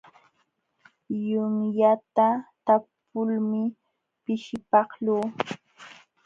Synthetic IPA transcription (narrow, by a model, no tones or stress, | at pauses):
jʊŋjat̪at̪ap | ʊlmɪ | pɪʃɪpɑχluː